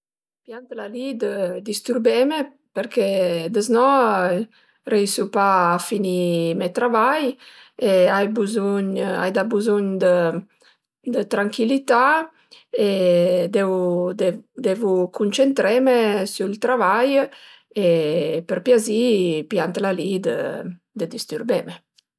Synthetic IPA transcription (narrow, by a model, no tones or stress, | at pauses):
pjant̪lalid̪əd̪ist̪uɾbɛme | pəɾked̪əznɔ | rɛisupaːfinimɛt̪ɾavaj | eajbəzuɲa̰jd̪abəzuɲd̪ə | d̪ət̪ɾaŋkilit̪a | ed̪eud̪d̪evukʰunt͡ʃent̪ɾɛmesult̪ɾavaj | epəɾpjazipjant̪lalid̪ə̰ | d̪əd̪ist̪uɾbeme